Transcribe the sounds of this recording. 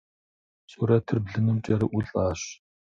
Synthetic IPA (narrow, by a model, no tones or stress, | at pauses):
sʼuɾɐtʰɨrbɮɨnɨmt͡ʃʼɐɾɨʔʷʊɮʼaːɕ